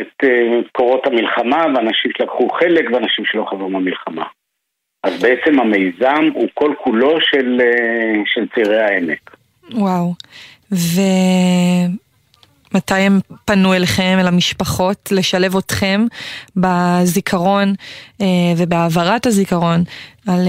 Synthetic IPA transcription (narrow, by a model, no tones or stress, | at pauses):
et̪ekoʁo̞thamilχamaveanaʃimʃelakχuχelekveanaʃimʃelo̞χazʁumamilχama̰ | ʔazbeet͡se̞mhame̞jzamuko̞lkʰulo̞ʃeleʃelt͡siʁehaemek | waw | ve | matajempanueleχe̞melamiʃpaχo̞tle̞ʃale̞vo̞tχe̞mbazikʰaʁo̞neve̞beavaʁathazikaʁo̞nal